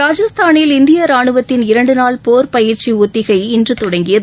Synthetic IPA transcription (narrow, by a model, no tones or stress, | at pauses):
ɾaːd͡ʒɐst̪ʰaːnɪlɪnd̪ɪjɐɾaːɳɯʋɐt̪ːɪnɪɾɐɳɖɯnaːlpoːɾpɐjɪɾt͡ʃiʊt̪ːɪɣɐɪɪndrɯt̪ʊɽɐŋɡɪjɐð